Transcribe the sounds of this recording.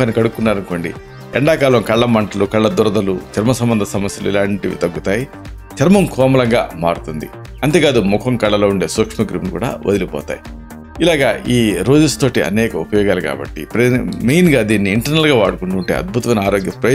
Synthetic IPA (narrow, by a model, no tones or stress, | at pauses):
ɐnikɐɽukːunːaːɾɐɳko̞ːɳɖḭ | ɛɳɖaːkaːlɐmkɐɭːɐmɐɳʈɐlukɐɭːɐd̪ɔɾɐd̪ɐlut͡ʃɐɾmɐsɐmbɐnd̪ɐsɐmɐsjɐluḭlaːɳʈiʋḭt̪ɐɡːut̪aːji | t͡ʃʰɐɾmɐmkʰɔːmɐlɐŋɡa̰ːma̰ːɽut̪und̪ḭ | ɐnt̪eːkaːd̪umukʰɐmkɐɭːɐlo̞ːuɳɖe̞ːsukʂmɐɡɾimnukṵːɽa̰ːʔo̰d̪ilipɔ̰ːt̪a̰ːji | ilaːɡaːʔiːɾoːd͡ʒɐst̪o̞ːʈiɐ̰nɛːkɐupɐjɔːɡaːlika̰ːbɐ̰ʈːḭpɾɐmejnɡaːd̪iːnːiːɳʈɐɾnɐlɡaːʋaːɽukuɳʈuɳʈḛːɐ̰d̪̚bʱut̪ɐʋɐːnɐaːɾo̞ːɡjɐpɾɐ